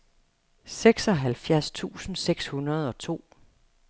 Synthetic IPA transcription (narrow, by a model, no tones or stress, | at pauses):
seɡ̥sɒ̽ɦælfjæɐst͡sʰṵːsn̩seɡ̥shunɐð̞̩ˠɒ̽t͡sʰo̝̰ː